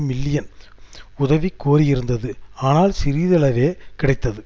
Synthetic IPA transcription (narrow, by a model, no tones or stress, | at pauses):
mɪlːɪjɐn | ʊðɐʋikːoːɾɪjɪɾɯnd̪ɐðɯaːnaːlsɪɾiːðɐɭɐʋeːkɪɽɐɪt̪ːɐðɯ